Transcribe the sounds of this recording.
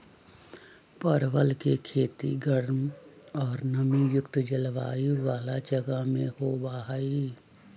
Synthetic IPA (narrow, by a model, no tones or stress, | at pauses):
pəɾʋəlkekʰeːt̪ḭɡəɽm | ɔːɾnəmijʊkt̪d͡ʒəlʋaːiʋaːlad͡ʒəɡamẽhobaːɦaːi